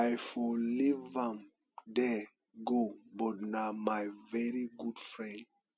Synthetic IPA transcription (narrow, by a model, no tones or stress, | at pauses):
ajfɔlivãm | dɛ | ɡobɔtnamajvɛɹiɡudfɹɛ̃nd